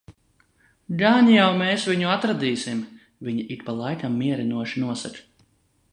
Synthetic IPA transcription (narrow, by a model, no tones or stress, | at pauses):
ɡaːɲijawmeːsviɲuat̪ɾad̪iːsim | viɲiʔik̪palˠajkamːiɛɾinuɔʃinuɔsak